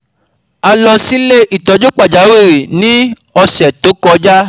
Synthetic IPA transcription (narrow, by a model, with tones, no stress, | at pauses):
a˧lɔ˧si˦le˦ʔi˨tɔ˨˦d͡ʒo˦k͡pa˦˨d͡ʒa˨˦we˦˨ɾi˨nĩ˦ɔ˧sɛ˨to˨˦kɔ˧d͡ʒa˦